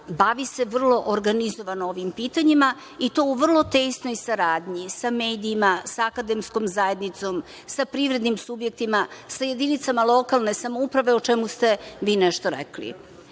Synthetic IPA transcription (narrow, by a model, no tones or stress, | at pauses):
baʋise̞ʋr̩lˠo̞ʔoɾɡanizoʋanooʋimpiːt̪aɲima | it̪o̞uʋr̩lˠo̞t̪eːsno̞jsaɾaːd̪ɲisameːd̪iːmasaːkad̪e̞msko̞mzae̞d̪nit̪so̞m | sapɾivɾe̞d̪nimsubje̞k̚t̪imasaje̞d̪init̪samalˠo̞kalˠne̞samoupɾaʋeot͡ʃemust̪e̞ʋiːnɛʃt̪oɾḛklḭ